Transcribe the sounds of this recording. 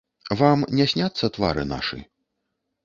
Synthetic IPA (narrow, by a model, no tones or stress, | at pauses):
vamnʲɛsʲnʲat̪sːɐt̪va̰ɾɨ̰na̰ʂɨ̰